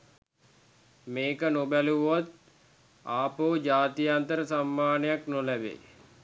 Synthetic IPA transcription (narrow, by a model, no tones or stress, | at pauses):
meːkənobæluʋat̪̚ | aːpoːd͡ʒaːt̪ijant̪əɾəsamːaːnəjaknolæbḛː